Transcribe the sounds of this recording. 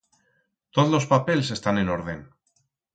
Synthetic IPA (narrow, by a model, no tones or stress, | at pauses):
t̪oðlo̞spapeles̬e̞st̪aneno̞ɾðen